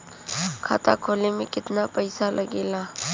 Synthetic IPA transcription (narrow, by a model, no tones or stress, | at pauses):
kʰa̰ːt̪a̰kʰoːlemẽkɪt̪napɐɪsalʔɐɡeːlaː